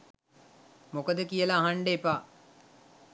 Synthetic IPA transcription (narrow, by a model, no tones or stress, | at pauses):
mokəd̪əkijəlaːɦaɳɖeːpaː